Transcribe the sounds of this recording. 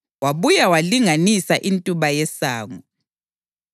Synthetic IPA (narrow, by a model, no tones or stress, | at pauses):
waβujawaliŋanisaʔintʼuβajɛsaːŋu